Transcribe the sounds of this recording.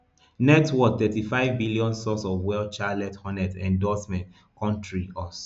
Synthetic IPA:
nɛtwɔk̚t̪ɛtifaɪvbiliɔ̃nsɔsɔvwɛlt͡ʃalɛthɔ̃nɛtɛ̰̃ndɔsmɛ̃nt | kʰɔ̃ntʰɹiʔɔs

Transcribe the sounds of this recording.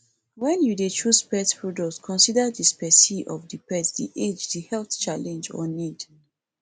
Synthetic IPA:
wɛ̃njudet͡ʃuspɛtpʰɹɔdɔskʰɔ̃nsidədispɛsiʔɔvdipɛsdḭʔed͡ʒdihɛlθt͡ʃalɛ̃nd͡ʒɔ̰nid

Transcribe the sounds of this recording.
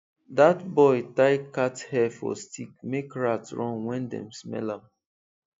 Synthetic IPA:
datbɔɪtaɪkathɛfɔ̰stik̚mekɹatɹɔ̃ŋwɛ̃ndɛ̰̃msmɛ̰lãm

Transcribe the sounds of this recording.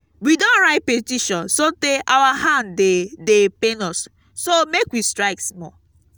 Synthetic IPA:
widõnɹaɪt̚petiʃɔ̃nsoteʔawahãndedepẽnɔsː | omekwistɹaɪksmɔ

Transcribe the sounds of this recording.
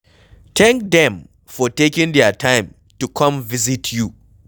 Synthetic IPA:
t̪ʰɛ̃ŋk̚dɛ̃m | fɔtekĩŋdɛtʰãɪ̃m | tukʰʌ̃mvizitʰju

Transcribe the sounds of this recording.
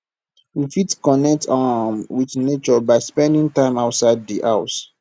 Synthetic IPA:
wifitkɔnɛk̚tʰamwiθnet͡ʃɔbaɪspɛ̃ndĩŋtãɪ̃maʊtsaɪddiʔaʊs

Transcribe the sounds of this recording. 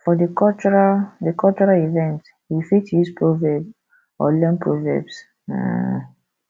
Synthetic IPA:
fɔdəkɔt͡ʃɹadəkʰɔlt͡ʃɹalivɛ̃nt | wifitjuspɹovɛb | ɔlɛnpʰɹɔvɛ̰bs̩

